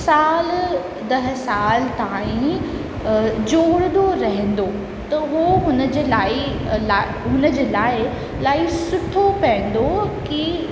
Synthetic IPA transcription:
saːl | d̪ɐɦə̆saːlt̪aːĩ | d͡ʑoːɽənd̪oɾɐɦə̃n̆d̪o | t̪ɐɦoɦʊnəd͡ʑeːlaːɪ | lː | ɦʊnə̆d͡ʑeːlaːɪ | laːɪsʊʈʰopɐ̃ɪ̃n̆d̪oki

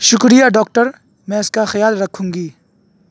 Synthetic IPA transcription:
ʃʊkɾijaɖɔːk̚ʈəɾ | mɛ̃ɪskaxɪjaːlɾɐkʰũːŋɡiː

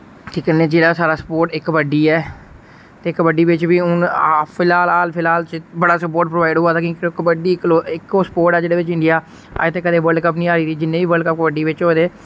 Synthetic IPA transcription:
t̪ʰiːkənːeːd͡ʒeːɽaːsaːɾaːsə̥poːɾʈɪkʋəɖiːɛː | t̪eːɪkʋəɖiːʋɪt͡ʃʋiːʊnapʰɪlaːlaːlpʰɪlaːlt͡ʃbəɽaːsəpoːɾʈ̚pɾoʋaːɪɖɦoːaːt̪aːkõːkikʋəɖiːɪkloːɪkːsə̥poːɾʈɛːd͡ʒeːɽeːʋɪt͡ʃɪ̃ɳɖijaː | a̰ːet̪eːkəd̪eːʋəɾɖkəp̬nĩːaːɾiːt̪iːd͡ʒɪnːẽːʋiːʋəlɖkəp̚kʋəɖiːʋɪt͡ʃɦoːd̪eː

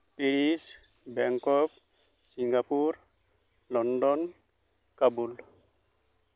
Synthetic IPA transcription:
piɾis | bɛŋkɔk̚ | siŋɡapuɾ | lɔndɔn | kabul

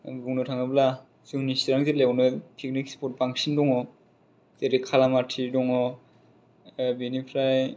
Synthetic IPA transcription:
buŋnɔtʰaŋabla | zuŋnisiɾaŋzeleɔnɯpʰiknikspɔt̚baŋsindɔŋɔ | zeɾikʰalamatʰidɔŋɔ | binipʰɾaj

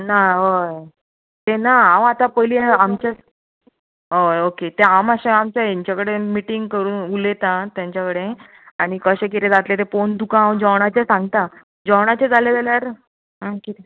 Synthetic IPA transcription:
naɦoj | t̪enaãwat̪ãpəjliamt͡ɕa | ɦojoket̪eamaɕaamt͡ɕaiɲt͡ɕjakəɽemiʈiŋɡkəɾuːnulet̪ãt̪jãɲt͡ɕakəɽe | aɽ̃ikəɕek̬it̪ed͡zat̪let̪efond̪ukããwd͡ʑɔwɽ̃at͡ɕasãŋɡt̪a | d͡ʑɔwɽ̃at͡ɕed͡zʱaled͡zaljaɾ | ɦakit̪e

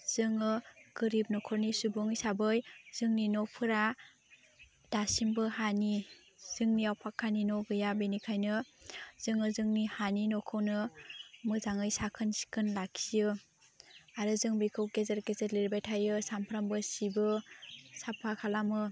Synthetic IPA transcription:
z̥ɯŋɯɡ̥ɯɾib̚nɔkʰɔɾnisubɔŋjsabɯjz̥ɯŋninɔpʰɯɾa | d̥asimbɯhani | z̥ɯŋniawpʰakʰːaninoɡɯjabenikʰajnɯz̥ɯŋɯzɯŋnihaninɔkʰɯwnɯmɯzaŋɯjsakʰɯnsi̥kɯnlakʰijɯ | aɾɯzɯŋbikʰɯwɡezeɾɡezeɾliɾbajtʰajɯsampʰɾambɯsibɯsapʰakʰalamɯ

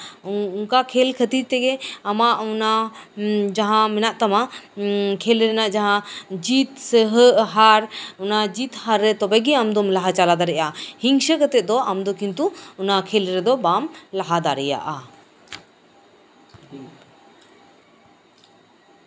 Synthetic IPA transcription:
unkakʰɛlkʰət̪iɾt̪ɛɡɛamaʔuna | d͡ʒaɦãmɛnaʔt̪ama | kʰɛlɾɛnaʔd͡ʒaɦãd͡ʒit̪sɛɦəʔɦaɾunad͡ʒit̪haɾːɛt̪ɔbɛɡɛamd̪ɔmlaɦat͡ʃalad̪aɾɛʔahiŋʃəkət̪ɛt̪̚ˀd̪ɔamd̪ɔkʰint̪uunakʰɛlɾɛd̪ɔbamlaɦad̪aɾɛja̰ʔa

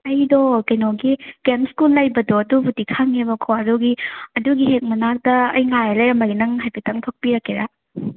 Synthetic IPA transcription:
ɐjdokejnoɡiɡ̥emskulːɐjbɐdoɐdubutikʰaŋebɐkʰoɐduɡiɐduɡiɦek̚mɐnak̚dɐːjŋajɐlɐjɾɐmɐjnɐŋɦajbʰitɐŋtʰok̚piɾɐkːeɾa

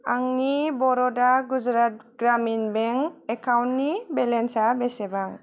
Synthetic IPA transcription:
aŋnibɔɾɔdaɡud͡ʒɾat̚ɡ̥ɾaminbɛŋɛkʰawnːibɛlɛnsabɛsɛbaŋ

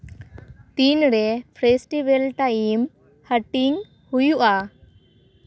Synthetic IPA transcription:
t̪inɾɛpʰɾesʈibelʈaim | həʈiŋ | hujuʔa

